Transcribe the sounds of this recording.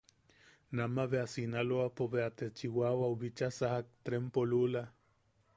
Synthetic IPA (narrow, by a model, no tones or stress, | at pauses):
namaβeasinaloapoβeat̪et͡ʃiwawauβit͡ʃasahak̚t̪ɾempolula